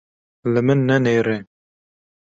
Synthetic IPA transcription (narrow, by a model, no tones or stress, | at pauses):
lɨmɨnːɛneːɾe